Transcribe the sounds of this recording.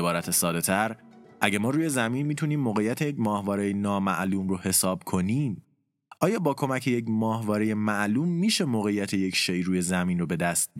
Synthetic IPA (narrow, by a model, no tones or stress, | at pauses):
bɒːɾæt̪ʰesɒːd̪e̞t̪ʰæɾ | ʔæɟemɒːɾuːje̞zæmiːnmiːt̪ʰuniːmːoːɣe̞jæt̪ʰejecmɒːhvɒːɾejenɒːmæ̰ʔluːmɾohe̞sɒːb̥kʰo̞niːm | ɒːjɒːbɒːkʰo̞mæcʰeje̞cmɒːhvɒːɾeje̞mæʔluːmːiːʃe̞moːɣe̞jːæt̪ʰe̞jecʰʃeʔjɾuːje̞zæmiːnrobe̞d̪æst̪̚